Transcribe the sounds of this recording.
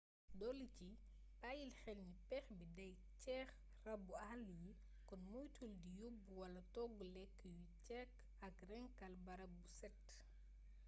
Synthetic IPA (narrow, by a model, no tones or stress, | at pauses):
dɔlici | paːjilxɛlɲipɛxbidɐj | cɛːx | rɐbːuɐhluji | kɔnmujtuldijubːuwɐlɐtɔɡulɛkːjucɛkː | ɐkrɛŋkɐlbɐɾɐbːusɛt